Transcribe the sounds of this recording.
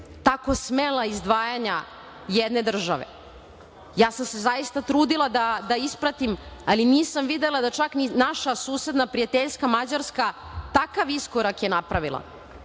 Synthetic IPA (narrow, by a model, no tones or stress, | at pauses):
t̪ako̞smelˠaizd̪ʋaːjaɲa | jed̪ne̞d̪r̩ʒaʋḛ | jaːsamse̞zajist̪at̪ɾuːd̪ilˠad̪ad̪aispɾat̪imaliniːsamʋid̪elˠad̪at͡ʃakninaʃasuːse̞d̪napɾijat̪eʎskamad͡ʑaɾskat̪akaʋiskoɾakjenapɾaʋilˠa̰